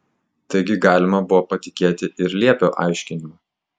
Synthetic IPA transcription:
t̪ɐɪɡʲɪɡɑːlʲɪmɐbʊʋoːpɐt̪ʲɪkʲeːt̪ʲɪʔɪɾlʲiɛpʲoːʔɑ̰ˑɪʃʲkʲɪnʲɪmɐː

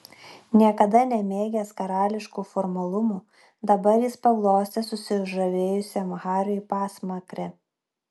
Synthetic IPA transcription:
nʲiɛkɐd̪ɐnʲɛmʲeːɡʲɛskɐɾɑːlʲɪʃkuːfɔɾmɐlˠʊmuː | d̪ɐbɐɾjɪspɐɡlˠoːsʲt̪ʲɛsʊsʲɪʊʒɐʋʲeːjʊsʲɛmɣɑːɾʲoipɑːsmɐkɾʲɛ

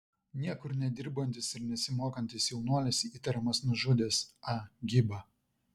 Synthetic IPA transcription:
nʲiɛkʊɾnʲɛd̪ʲɪɾbɐnʲt̪ʲɪsɪɾnʲɛsʲɪmoːkɐnʲt̪ʲɪsjɛʊnuɔlʲesʲiːt̪ɐɾʲɛmɐsnʊʒʊd̪ʲeːsɐɡʲɪbɐ

